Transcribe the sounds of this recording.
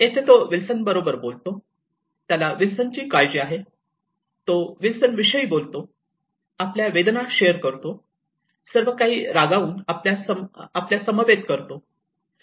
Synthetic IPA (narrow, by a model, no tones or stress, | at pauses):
et̪ʰet̪oʋilsənbəɾobəɾbolt̪o | t̪jalaʋilsənt͡ɕiːkajd͡ʑiaɦe | t̪oʋilsənʋiɕəiːbolt̪o | apljaʋed̪nakɕejəɾkəɾt̪o | səɾʋəkaɦiːɾaɡauːnapljasəapljasəməʋet̪kəɾt̪o